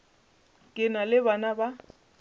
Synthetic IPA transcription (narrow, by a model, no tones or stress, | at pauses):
kʼɪnalɪbanaba